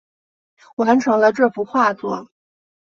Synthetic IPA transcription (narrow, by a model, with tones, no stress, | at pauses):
wa˧˥nʈ͡ʂʰɤ˧˥ŋlə˧ʈ͡ʂɤ˥˩fu˧˥xwa˥˩t͡swɔ˥˩